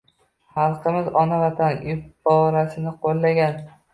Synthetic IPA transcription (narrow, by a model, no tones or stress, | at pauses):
hɑlˠqɨmɪzɒnavat̪ʰanjɪpbɒɾasɪnɪqʰolˠːaɡʲan